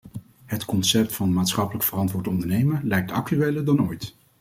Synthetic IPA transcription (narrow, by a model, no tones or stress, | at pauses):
ɦətkɔnsɛp̚tfɑnmaːtsχɑpələkfərɑntʋʊːɹtɔndəɹnejməɹlɛjk̚tʰɑk̚tyʋejləɹdɑnojt